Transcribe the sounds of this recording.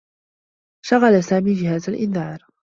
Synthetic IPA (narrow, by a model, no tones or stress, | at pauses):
ʃaɣalasaːmiːd͡ʒɪɦaːzalʔɪnðɑːɾˤ